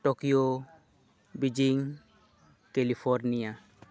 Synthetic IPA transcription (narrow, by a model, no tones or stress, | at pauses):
ʈokio | bid͡ʑiŋ | kelifʰoɾnija